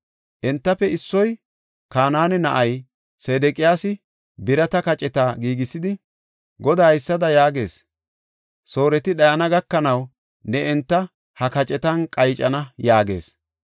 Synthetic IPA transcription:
ʔɛnt̪ːɐpɛɪsːɔj | kaːnaːnɛnɐʔɐj | seːd̪ɛkʼɪjaːsɪ | bɪɾɐt̪ɐkɐt͡ʃʼɛt̪aːɡiːɡɪsːɪd̪ɪ | ɡɔd̪aːɪsːɐd̪ɐjaːɡe̞ːs | so̞ːɾɛt̪ɪɗɐjɐnɐɡɐkːɐnɐw | nɛɛnt̪ːɐ | hɐkɐt͡ʃʼɛt̪ɐnkʼɐjt͡ʃʼɐnɐjaːɡe̞̰ːs

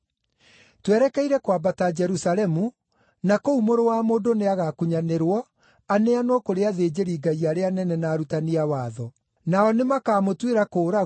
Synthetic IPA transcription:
twɛɾɛkɛiɾɛkwabatad͡ʒɛɾusalɛmu | nakoumoɾowaːmoːndoneaɣakuɲaneɾwɔ | aneanwɔkoɾeaðeːd͡ʑeɾiːɡaiaɾeanɛnɛnaːɾutaniawaːðɔ | naɔnemakaːmotweɾakoːɾa

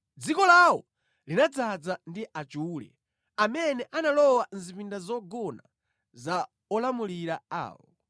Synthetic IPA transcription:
d͡zikɔlawɔ | linad͡zad͡zandiʔat͡ʃuːlɛ̰ | amɛnɛʔanalɔwanzipindazɔɡɔna | za | ɔlamuliɾaa̰ːwɔ

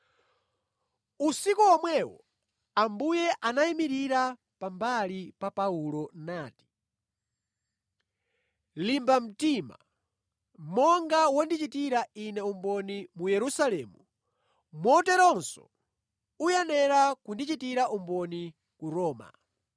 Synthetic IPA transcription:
usikuɔmwɛwɔ̰ | ambujɛʔanaimiɾiɾa | pambalipapaulɔnaːti̥ | limbam̩tima̰ | mɔŋɡawɔndit͡ʃitiɾainɛumbɔnimujɛɾusalɛːmu | mɔtɛɾɔnsɔ̰ | ujɛnɛɾakundit͡ʃitiɾaʔumbɔni | kuɾɔːma̰

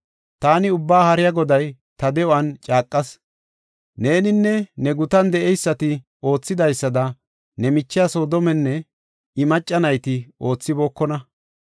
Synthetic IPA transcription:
t̪aːnɪʊbːaːhɐɾɪjɐɡɔd̪ɐj | t̪ɐd̪ɛʔɔɐnt͡ʃʼaːkʼːɐs | ne̞ːnɪnːɛnɛɡʊt̪ɐnd̪ɛʔɛjsːɐt̪ɪ | o̞ːt͡sːɪd̪ɐjsːɐd̪ɐ | nɛmɪt͡ʃːɪjɐsoːd̪ɔmɛnːɛ | ɪmɐt͡ʃʼːɐnɐjt̪ɪo̞ːt͡sːɪboːkːɔnɐ

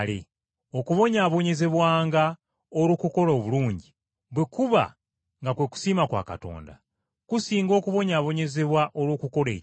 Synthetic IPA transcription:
lḛ | o̞kuβo̞ɲaβo̞ɲe̞ze̞βwaːŋɡa | oɾoːkuko̞ɾoːβuluːɲɟi | βwekuβa̰ | ŋɡakwe̞ku̥siːmakwa̰ːka̰to̞̰ːnda̰ | kusiːŋɡo̞ːkuβo̞ɲaβo̞ɲe̞ze̞βwaʔoɾwoːkuko̞ɾe̞̰̥ː

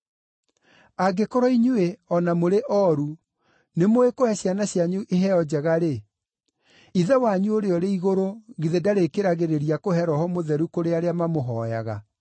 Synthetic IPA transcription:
aɡekoɾɔiɲueɔnamoɾeʔɔɾu | nemoekohɛɕjanaɕjaɲuʔeɦɛɔd͡ʑaɣaɾe | iðɛwaɲuoɾeɔɾeiɣoɾoɣiðedaɾekeɾaɣeɾeɾiakoɦɛɾɔhɔmoðɛɾukoɾeaɾeamamoɦɔja̰ɣa̰

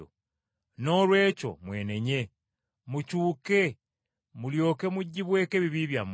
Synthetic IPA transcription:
o | no̞lwe̞ːco̞̰mwe̞ːne̞ɲe̞ | mucuːke̞ | muljo̞ːke̞muɟːiβwe̞ːkeβiβiβjam

